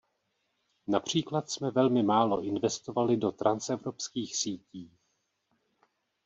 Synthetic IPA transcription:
napr̝̥iːklat̪smɛvɛlmɪmaːlo̞ʔɪnvɛst̪ovalɪdo̞t̪ɾʔansɛvɾo̞pskiːxsiːciː

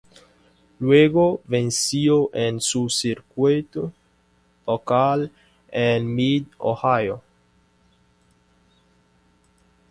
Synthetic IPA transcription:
lweɡovensioʔensusiɾkwet̪o | lokal | enmid̪o̰hajo

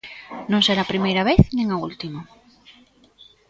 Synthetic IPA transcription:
nõŋseɾaːpɾimejɾɐβeθnĩŋault̪imo

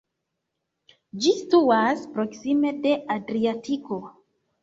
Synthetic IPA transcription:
d͡ʒistuaspɾo̞ksime̞de̞ʔadɾiatiko̞

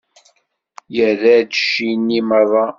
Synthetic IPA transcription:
jəðæd̪ʃinːiməðˤɑ

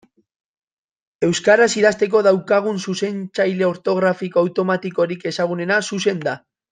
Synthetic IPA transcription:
e̞wskaɾasiðast̪e̞k̬o̞ð̞awkaɣ̞unsuse̞nt͡sajle̞o̞ɾt̪o̞ɣ̞ɾafikoawt̪o̞mat̪iko̞ɾike̞saɣ̞une̞nasuse̞nd̪a

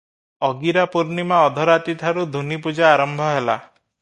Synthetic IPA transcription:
ɔɡiɾapuɾnimaɔd̪ʱɔɾat̪it̪ʰaɾud̪ʱunipud͡ʒaːɾɔmbʱɔɦela

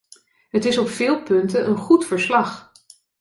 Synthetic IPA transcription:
ɦətɪsɔpfɪːlˠpɵntəʔənχutfəɹslɑχ

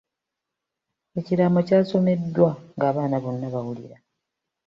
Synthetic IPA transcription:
e̞ciɾamocaːso̞me̞dːwaŋɡaːβaːnaβo̞nːaβawulḭɾa

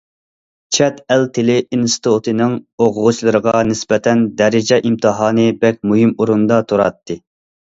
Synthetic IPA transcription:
t͡ʃʰɛt̪ælt̪ʰɪlɪinst̪ʰut̪ʰɨnɨŋoʁʊʁʊt͡ʃlˠɨɾəʁɑnɪsbɛt̪ʰɛnd̪ɛɾɪd͡ʒɛʔimt̪ʰɨɦɑːnɨbɛk̚ʲmuɦimuɾund̪ɑt̪ʰuɾɑ̰t̪ʰːɨ

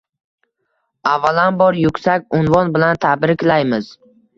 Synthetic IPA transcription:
avːalanbɒɾjʊkʲsakʲʊnvɒnbɪlant̪ʰabɾɪkʲlajmɪz

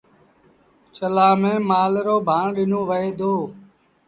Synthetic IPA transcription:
t͡ʃəlaːmẽːmaːlɾoːbʱaːɳɗɪnõːʋəɦeːd̪oː

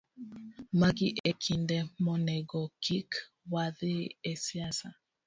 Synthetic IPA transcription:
maɡiʔekʰindɛmɔnɛɡɔkʰik | waðɪesiasa

